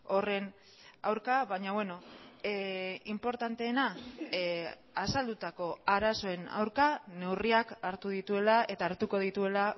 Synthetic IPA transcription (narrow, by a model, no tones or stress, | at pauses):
o̞re̞n | a̰wɾkaβaɲaβwe̞no̞ | impo̞ɾt̪ant̪e̞ːna | asald̪ut̪ako̞aɾaso̞e̞na̰wɾkane̞wriakaɾt̪uðit̪ue̞lae̞t̪aːɾt̪uko̞ð̞it̪ue̞la